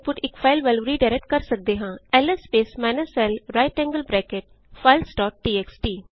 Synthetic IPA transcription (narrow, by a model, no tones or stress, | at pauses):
pʊʈɪkfaɪlʋelʋɾiɖaɪɾek̚ʈ̚kɐɾsɐk̚d̪eɦãːɛlespeːsmɛːnəsɛlɾaɪʈɛ̃ŋɡəlbɾɛːkeʈ̚ | faɪlsʈɔːʈːiːeksʈiː